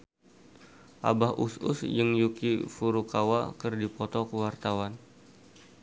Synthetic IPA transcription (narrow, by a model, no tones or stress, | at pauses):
ʔa̰bahʔṵsʊ̰sjəŋjukifuɾukawa̰kɨrdipɔt̪ɔkəwart̪awan